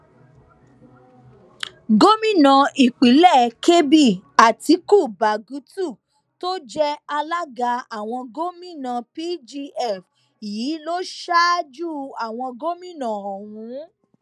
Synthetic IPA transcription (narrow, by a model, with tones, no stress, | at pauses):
ɡo˦mĩ˦˨nã˨i˨k͡pi˨˦lɛ˦˨ke˦bi˦˨a˨ti˨˧˦ku˦˨ba˨ɡu˨˦tu˦˨ | to˦d͡ʒɛ˦a˧la˦ɡa˧a˨w̃ɔ̃˧ɡo˦mĩ˦˨nã˨pi˦d͡ʒi˧ɛ˦˨f | jiː˨˦lo˦ʃa˦d͡ʒu˦a˨w̃ɔ̃˧ɡo˦mĩ˦˨nã˨ɔ˨wũ˨˦